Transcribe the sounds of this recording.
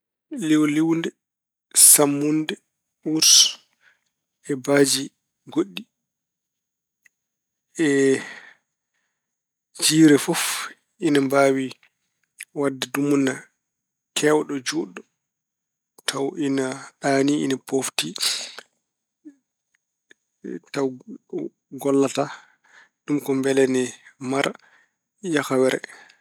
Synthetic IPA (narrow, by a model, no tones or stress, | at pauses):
liwliwndɛ | samːundɛ | uɾs | ɛbaːd͡ʒi | ɡoɗːi | ɛ | d͡ʒiːɾɛfɔf | ʔinambaːwi | wadːɛdumunːa | kʰɛwɗɔd͡ʒuɗɔ | tʰawʔinaɗaːniḭnapofti | taw | ɡɔlːata | ɗumkɔmbɛlɛnɛmaɾ | jakawɛɾɛ̰